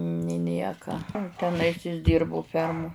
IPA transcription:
nʲɪ ˈnʲiɛkɐ tʲɛˈnɐɪs ɪs ˈdʲɪrbʊ ˈfʲɛrmʊ

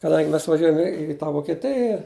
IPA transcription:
kɐˈdɐŋʲɡʲɪ ˈmʲɛs ʋɐˈʒʲuɔjɛm ɪ ɪ tɑː ʋoːkʲɛˈtʲɪjɛ

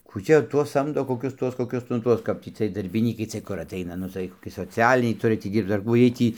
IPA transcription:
kuː ˈt͡ʃʲɛ ˈtuɔs ˈsɐmdoː koːˈkʲʊs ˈtuɔs koːˈkʲʊs nʊ ˈtuɔs ˈkɐp tʲiː t͡sʲiɛj dɐrʲbʲɪˈnʲiːkɐɪ ˈt͡sʲiɛj kʊr ɐtˈɐɪnɐ ˈnʊ tɐɪ koːˈkʲɪ soːˈt͡sʲæːlʲɪnʲɛɪ ˈtʊrʲɪ tʲiː ˈdʲiːrpt͡s ɐr ˈkuː ˈjiɛj ˈtʲiː

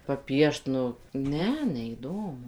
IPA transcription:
pɐˈpʲiɛʃt nʊ ˈnʲɛ nʲɛiːˈdoːmʊ

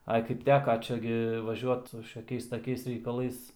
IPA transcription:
ˈɐɪ kɐɪp ˈtʲæːkɐ ˈt͡ʃʲɛ ɡʲɪ ʋɐˈʒʲuɔt ʃʲɛˈkʲɛɪs tɐˈkʲɛɪs rʲɛɪkɐˈlˠɐɪs

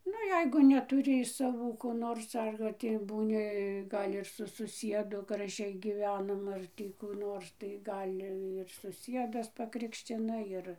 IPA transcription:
ˈnʊ ˈjɛɪɡʊ nʲɛtʊˈrʲɪ ɪʃ sɐˈʋuː koː ˈnoːrs ɐr tʲiː buːˈnʲɪ ˈɡɐlʲ ɪr sʊ sʊˈsʲiɛdʊ ɡrɐˈʒʲɛɪ ɡʲiːˈʋʲæːnɐm ˈɐr tʲiː kuː ˈnoːrs tɐɪ ˈɡɐlʲ ɪr sʊˈsʲiɛdɐs pɐˈkrʲɪkʃʲt͡ʃʲɪnɐ ˈjɪr

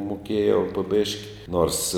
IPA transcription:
mʊˈkʲeːjɛʊ poː ˈbʲeːʃʲkʲɪ noːrs

